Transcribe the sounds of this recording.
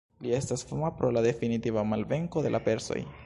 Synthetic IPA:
lie̞stasfomapɾo̞lade̞finitivamalve̞ŋko̞de̞̰lʔape̞ɾso̰j

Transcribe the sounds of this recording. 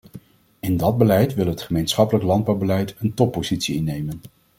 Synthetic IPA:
ɪndɑd̚bəlɛjtʋɪlˠɦətχəmejnsχɑpələklɑnd̚bɑwbəlɛjtəntɔpːozitsiɪnːejmən

